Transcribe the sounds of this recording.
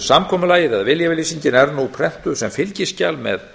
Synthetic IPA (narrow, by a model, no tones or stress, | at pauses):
samkʰɔːmʏlaːjɪðaðvɪljavɪliːsiɲcɪnɛɾnupʰɾɛh̪t̪ʏsɛmfɪlcɪscalmɛ̰ð